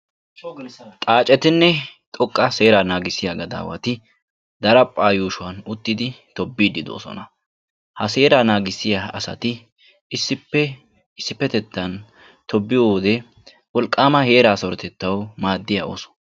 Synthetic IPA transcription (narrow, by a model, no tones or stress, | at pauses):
t̪ʼaːt͡ʃʼɛt̪ɪnːɛt̪ʼɔkʼːɐse̞ːɾanaːɡɪsːɪjaɡɐd̪a̰ːwɐ̰t̪ɪ | d̪ɐɾɐpʼːaːjuːʃʊwɐnʊt̪ːɪd̪ɪt̪ɔbːiːd̪ɪd̪o̰ːsɔ̰nɐ | hɐse̞ːɾanaːɡɪsːɪjaɐ̰sɐ̰t̪ɪ | ɪsːɪpːɛ | ɪsːɪpːɛt̪ɛt̪ːɐn | t̪ʰɔbːɪjowɔd̪ɛ | wɔlkʼːaːmɐhe̞ːɾaːsɔɾɔt̪ɛt̪ːɐwmaːd̪ːɪjao̰ːsɔ̥